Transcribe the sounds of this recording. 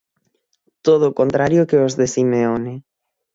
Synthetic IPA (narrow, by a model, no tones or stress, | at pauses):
t̪oð̞okont̪ɾaɾjokeozðesimeone